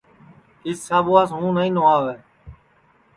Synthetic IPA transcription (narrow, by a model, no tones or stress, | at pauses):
ɪsːaːboaːsɦũːnəĩːnoaːʋɛː